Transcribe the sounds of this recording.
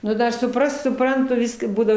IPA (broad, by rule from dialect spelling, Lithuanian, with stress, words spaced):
nʊ ˈdɐr sʊˈprɐst sʊˈprɐntʊ ˈʋʲɪskɐ ˈbuːdɐʋoː